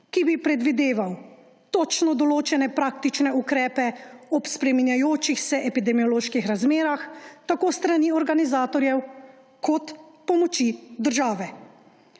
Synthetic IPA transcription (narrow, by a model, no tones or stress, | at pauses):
kibipɾɛd̪ʋid̪eːʋaw | t̪ɔt͡ʃnɔd̪ɔloːt͡ʃɛnɛpɾaːk̚t̪it͡ʃnɛukɾɛːpɛɔpspɾɛminjajoːt͡ʃixsɛʔɛpid̪ɛmiɔloːʃkixɾazmeːɾaxt̪akoːst̪ɾaniːɔɾɡanizaːt̪ɔɾjɛw | kʰɔt̪pɔmɔt͡ʃid̪əɾʒaːʋɛ